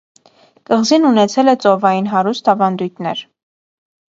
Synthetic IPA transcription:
kəʁzinunɛt͡sʰɛlɛt͡sɔvɑjinɦɑɾust̪ɑvɑnd̪ujt̪ʰnɛɾ

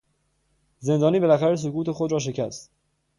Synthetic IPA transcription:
ze̞nd̪ɒːniːbelæxæɾes̬okuːt̪e̞xod̪ɾɒːʃ̬e̞cʰæst̪

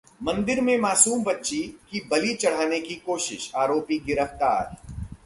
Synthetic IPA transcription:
mɐ̃nd̪ɪɾmẽmaːsuːmbɐtːʃikibɐlit͡ʃɐɽ̤aːnekikoːʃɪ̰ʃaːɾoːpiɡɪɾəft̪aːɾ

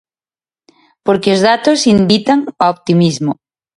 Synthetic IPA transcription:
poɾkeozðat̪osimbit̪aŋaop̚t̪imizmo

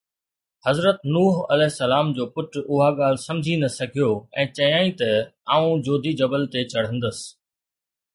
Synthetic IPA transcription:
hɐzɾət̪nuːɦɐ̰lɛːɦɪsːɐlaːmd͡ʑoːpʊʈʊɦaɠaːl̤ɪsɐ̃md͡ʑʱinɐsɐɡʱijoɛ̃ːt͡ɕɐjãːĩt̪ɐaːũd͡ʑoːd̪ʱid͡ʑɐbəlt̪et͡ɕɐɽ̤ə̃n̆d̪əsɪ̥

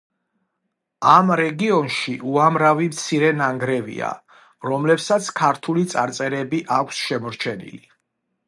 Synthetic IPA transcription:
amɾɛɡiɔnʃiʔuamɾavimt̪sʰiɾɛnaŋɡɾɛvḭa̰ | ɾɔmlɛpsat̪sʰkʰaɾt̪ʰulit̪sʼaɾt̪sʼɛɾɛbiʔakʷʰsʃɛmɔɾt͡ʃʰɛnḭli

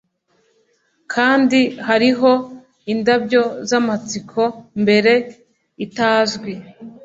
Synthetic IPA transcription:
kʰaːndihaɾiɦo̞ | indabɟo̞zamat͡sikʰo̞mbe̞ɾe̞ | itaːzɡwi

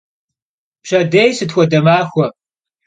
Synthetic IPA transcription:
pɕɐdejsɨtxʷɔdɐmaːxʷɔ

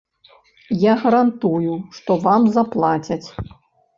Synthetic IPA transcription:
jaɣɐɾant̪ujuʂt̪ɔvamzaplˠat͡sʲɐt͡sʲ

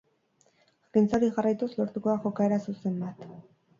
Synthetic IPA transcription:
kint͡saɾiʝarajt̪uslo̞ɾt̪uko̞ðaʝo̞kae̞ɾasuse̞mbat̪

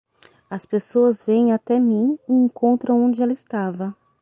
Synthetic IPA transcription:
ɐspesoɐzvẽj̃at̪ɛmĩɪẽŋkõnt̪ɾɐ̃w̃õd͡ʒɪɛlɐɪst̪avɐ

